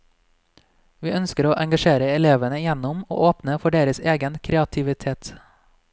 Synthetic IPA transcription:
ʋiːʔœnskəɾoːʔɛŋɡɑʃeːɾəɛleːʋənəjɛnʊmo̰ːʔoːpnəfɔɖeːɾəseːɡənkʰɾɛɑt̪ʰɪʋɪt̪ʰeːt̪

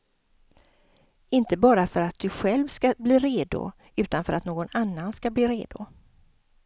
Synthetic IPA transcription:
ɪnt̪əbɑːɾafœɾat̪̚d̪̥ɵɧɛlvskabliːɾeːd̪ʊ̰ | ʉ̟ːt̪anfœɾat̪noːɡɔnanːanskabliːɾeːd̪ʊ

